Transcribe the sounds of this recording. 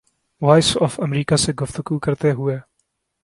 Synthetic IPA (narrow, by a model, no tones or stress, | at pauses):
wajsɔfɐmɾiːkasɛɡɔft̪okuːkɐɾt̪ɛːɦujɛ